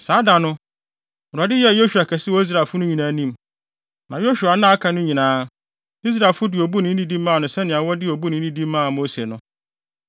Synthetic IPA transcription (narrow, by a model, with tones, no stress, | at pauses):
saː˨˦da˨nʊ̃˦˨ | a˨dɪ˦jɛ˦˨jo˦ʃu˨a˨kʰɛ˨sɪ˦wɔ˦i˦s̬ɾa˨fʊ˦nʊ̃˦ɲĩ˨nã˨˦nĩ˦˨m | nã˨jo˦ɕᶣu˨a˨nã˦a˦kʰã˨˦nʊ̃˦ɲĩ˨nãː˨˦ | i˦s̬ɾa˨fʊ˦dɪ˨o˨bu˦nɪ̃˨˦nĩ˦dĩ˦m˦mã˦˨nʊ̃˨sɛ˦nɪ̃˨a˨wɔ˦dɪ˦o˨bu˦nɪ̃˨n̩˦ĩ˦dĩ˦mː˦ãː˦˨moː˦se˨nʊ̃˦